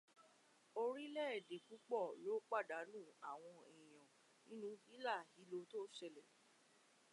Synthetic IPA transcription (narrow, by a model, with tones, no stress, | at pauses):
o˧ɾi˦lɛ˦ɛ˨de˨ku˨˦k͡pɔ˦˨lo˨˦k͡pa˦˨da˨˦nũ˦˨a˨w̃ɔ̃˧i˨j̃ɔ̃˨ | nĩ˦nũ˧i˦la˦˨hi˨˦lo˧to˦ʃɛ˧lɛ˨